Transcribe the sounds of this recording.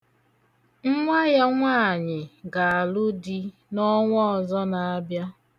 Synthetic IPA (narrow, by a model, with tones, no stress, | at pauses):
ŋ̩˦ŋʷa˦ja˦ŋʷaː˦˨ɲɪ˨ɡa˨a˨lʊ˦di˦ | nɔ˦ŋʷɔ˦ɔ˨zɔ˦na˨a˦bja˦